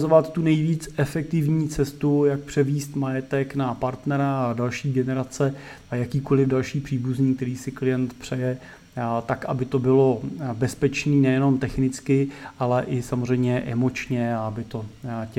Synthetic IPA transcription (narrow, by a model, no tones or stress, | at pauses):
zovat̪ːunɛjviːt͡sɛfɛk̚t̪ɪvɲiːt͡sɛst̪ujak̚pr̝̥ɛviːst̪majɛt̪ɛknapaɾt̪nɛɾaːdalʃiːɡɛnɛɾat͡sɛ | ajakiːko̞lɪvdalʃiːpr̝̥iːbuzɲiːk̚t̪ɛɾiːsɪklɪjɛnt̪pr̝̥ɛjɛ | t̪akabɪt̪o̞bɪlo̞bɛspɛt͡ʃniːnɛjɛno̞mt̪ɛxnɪt͡skɪʔalɛʔɪsamor̝ɛjmɲɛʔɛ̰mo̞t͡ʃɲɛaabɪt̪o̞c